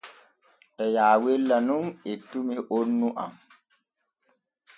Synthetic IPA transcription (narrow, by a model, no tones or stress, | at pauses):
ʔɛjaːwelːanumetːumiʔonːuʔa̰m